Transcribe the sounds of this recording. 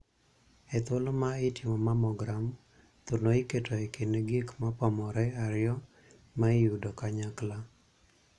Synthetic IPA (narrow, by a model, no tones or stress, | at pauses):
ɛt̪wolomaɪtɪmɔmamɔɡɾam | t̪unoɪketoekɪneɡikmapɔmɔɾɛaɾɪjɔ | maɪudokaɲakla